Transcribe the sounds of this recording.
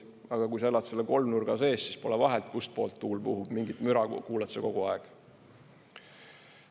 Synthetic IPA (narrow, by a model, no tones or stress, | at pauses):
ɑɡ̥ɑkujs̬ɑelːɑt̪se̞lːeko̞lmnurɡ̥ɑse̞ːssispo̞lɛvɑɦelt̪̚kust̪̚po̞ːlt̪ːuːlpuɦub̥miŋɡit̪myɾɑkuːlɑt̪seko̞ɡ̥uɑeɡ̥